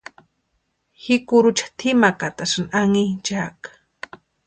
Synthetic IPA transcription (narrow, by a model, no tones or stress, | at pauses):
hɪkʊɾʊt͡ʃḁt̪ʰɪmakat̪asanaŋint͡ʃakḁ